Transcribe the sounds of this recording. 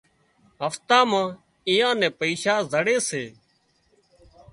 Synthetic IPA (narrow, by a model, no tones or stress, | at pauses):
ɦəft̪ãːmãː | ɪjãːnɛ̃ːpəiːʃaːzəɽeːseː